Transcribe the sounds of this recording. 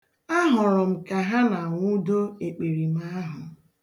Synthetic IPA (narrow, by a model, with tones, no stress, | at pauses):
a˦ɦʊ˨ɾʊ˨m̩˨ka˨ɦa˦na˨ŋʷu˦do˦e˨k͡pe˨ɾi˨m̩˦a˦ɦʊ˨